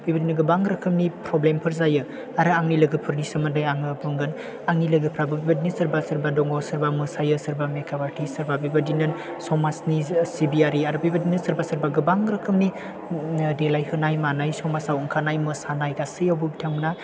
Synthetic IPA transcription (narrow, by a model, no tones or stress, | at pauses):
bʰijbadinɯɡɯbaŋɾɯkʰɯmnipɾɔblempʰɯɾzajɯ | aɾɯaŋnilɯɡɯpʰɯɾnisɯmandajaŋɯbʰɯŋɡɯn | aŋnilɯɡɯpʰɾabɯbibadinisɯɾbasɯɾbadɔŋɔsɯɾbamɯsajɯsɯɾbamekʰabaɾtʰisɯɾbabibadinɯn | sɔmasnisibiaɾiaɾɯbibadinɯsɯɾbasɯɾbaɡɯbaŋɾɯkʰɯmni | delajhɯnajmanajsɔmasawɯŋkʰanajmɯsanajɡasɯjawbɯbitʰaŋna